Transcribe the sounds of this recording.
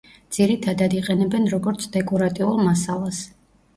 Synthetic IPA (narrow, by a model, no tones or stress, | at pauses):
d̪z̥iɾit̪ʰad̪ad̪iqʼɛnɛbɛnɾɔɡɔɾt̪sʰd̪ɛkʼɔɾat̪ʼiulˠmasalˠas